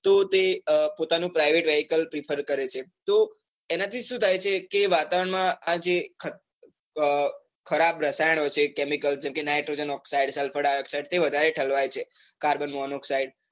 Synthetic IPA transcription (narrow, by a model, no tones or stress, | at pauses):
t̪ot̪epot̪anũpɾaiʋeʈʋɛɦikəlpɾipʰəɾkəɾet͡ʃʰet̪o | enat̪ʰiʃũt̪ʰajt͡ʃʰekeʋat̪aʋəɾəɳmãad͡ʒekʰə | kʰəɾabɾəsajəɳɦojt͡ʃʰekɛmikəld͡ʒɛmkenajʈɾod͡ʒənɔksaiɖsəlfʰəɽaɔksaiɖt̪eʋəd̪ʱaɾeʈʰəlʋajt͡ʃʰe | kaɾbənmɔnɔksaiɖ̚